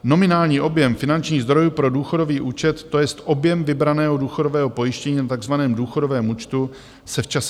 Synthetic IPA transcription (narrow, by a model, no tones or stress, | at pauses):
no̞mɪnaːlɲiːʔo̞bjɛmfɪnant͡ʃɲiːɣzd̪ɾo̞juːpɾo̞duːxo̞do̞viːʔuːt͡ʃɛt̪ːojɛst̪ʔo̞bjɛmvɪbɾanɛːɦoduːxo̞do̞vɛːɦo̞po̞jɪʃcɛɲiːnat̪aɡzvanɛːmduːxo̞do̞vɛːmuːt͡ʃt̪u | sɛft͡ʃas